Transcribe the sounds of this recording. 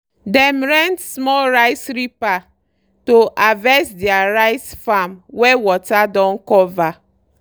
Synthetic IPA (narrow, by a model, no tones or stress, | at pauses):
dɛmɾɛ̃ntsmɔlɾaɪsɾipa | toʔavɛsdɪaɾaɪsfamwewɔtadɔ̃nkɔva